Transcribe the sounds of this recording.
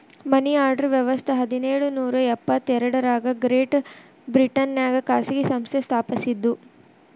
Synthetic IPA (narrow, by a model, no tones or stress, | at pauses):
mɐniaːɾɖɐɾʋjɛʋɐst̪ʰɐɦɐd̪ineːɭunuːɾɐɛpːɐt̪ːɛɾɐɽɐɾaːɡɐɡɾeːʈ | bɾiʈɐnjaːɡɐkaːsiɡesɐmst̪ʰest̪ʰaːpɐsid̪ːu